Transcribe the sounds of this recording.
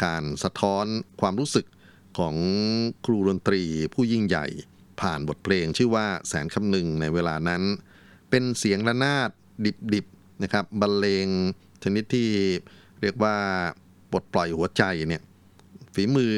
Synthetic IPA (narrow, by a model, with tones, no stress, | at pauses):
kaː˧nsa˧t̪ʰɔː˦˥nkʰwaː˧mɾuː˦˥sɯ˨˩kʰː | ɔː˩˦ŋkʰɾuː˧do˧nt̪ɾiː˧pʰuː˥˩ji˥˩ŋja̰˨˩j | pʰaː˨˩nbo˨˩t̪̚pʰleː˧ŋt͡ɕʰɯː˥˩waː˥˩sɛ̰ː˩˦nkʰa˧mnɯ˧ŋna˧jweː˧laː˧na˦˥n | pe˧nsi˩˦əŋla˦˧˥naː˥˩t̪̚ | di˨˩p̚di˨˩p̚ | na˦˥kʰɾa˦˥p̚ba˧nleː˧ŋ | t͡ɕʰa˧ni˦˥t̪ʰːiː˥˩ | ɾi˥˩ək̚waː˥˩ | bo˨˩t̪̚plɔ˨˩jhu˩˦ɐt͡ɕa˧jni˥˩ə | fiː˩˦mɯː˧